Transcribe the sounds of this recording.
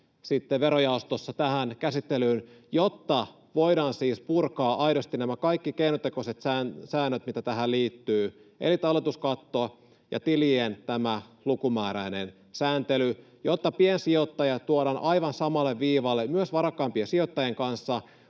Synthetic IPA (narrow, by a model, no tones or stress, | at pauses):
sit̪ːeʋʋeɾojɑust̪osːɑt̪æhænkæsit̪ːelyːnjot̪ːɑ | ʋoiɾɑːnsiːspurkɑːʔɑiɾost̪inæmækɑikːikeinot̪ekoset̪sæːnsæːnːøt̪mit̪æt̪æɦælliːt̪ːyːʔḛlit̪ɑlːet̪uskɑt̪ːo | jʔɑ̰t̪ilient̪æmælukumæːɾæinḛn | sæːnt̪ely | jot̪ːɑpiensiot̪ːɑjɑt̪uoɾɑnʔɑiʋɑnsɑmɑlːeʋʋiːʋɑlːemyøsʋɑɾɑkːˑɑːmpiesiot̪ːɑjeŋkɑnsːɑ